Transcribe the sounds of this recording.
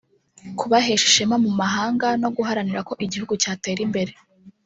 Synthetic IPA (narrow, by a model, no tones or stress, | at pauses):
kuβaɦeʃi̥ʃe̞mamumaɦaːŋɡano̞ɡuɦaɾaniɾako̞ʔiɟihuɡucaːte̞ːɾimbe̞ɾe̞